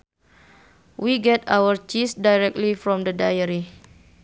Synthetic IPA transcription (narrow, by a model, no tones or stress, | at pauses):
wiɡɛtawərt͡ʃisdajɾɛk̚tlifɾɔ̃mdədajəɾi